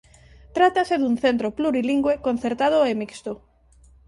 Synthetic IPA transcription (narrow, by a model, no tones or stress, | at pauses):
t̪ɾat̪aseðuŋθent̪ɾopluɾiliŋɡwekon̟θeɾt̪að̞oemikst̪o